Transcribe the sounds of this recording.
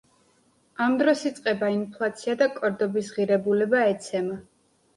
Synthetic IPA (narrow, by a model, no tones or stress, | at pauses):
amd̪ɾɔsit̪sʼqʼɛbainpʰlˠat̪sʰiad̪akʼɔɾd̪ɔbisʁiɾɛbulɛbaɛt̪sʰɛma